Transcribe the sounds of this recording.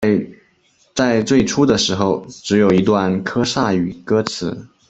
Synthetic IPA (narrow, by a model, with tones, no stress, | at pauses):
t͡sa˥˧ɪt͡swe˥˩ɪʈ͡ʂʰu˥d̪ə˨ʂɻ̩˧˥xo˥˧ʊʈ͡ʂɻ̩˧˥jo˨˩ʊi˧˥t̪wa˥˩nkʰɤ˥ʂa˥˩y˨˩kɤ˥t͡sʰɹ̩˧˥